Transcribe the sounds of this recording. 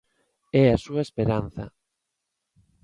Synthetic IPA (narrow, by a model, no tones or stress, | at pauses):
ɛasuɐespeɾanθɐ̰